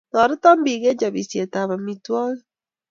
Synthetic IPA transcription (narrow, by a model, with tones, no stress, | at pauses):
nɔ˨ɾi˦tɔ˦mbi˨ɣe˦ɲd͡ʒa˨βi˨sje˨ta˨βa˨mitwɔ˦ɣe